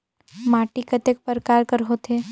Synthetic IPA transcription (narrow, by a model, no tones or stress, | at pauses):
maːʈikət̪ek̚pəɾkaːɾkəɾɦoːt̪ɦe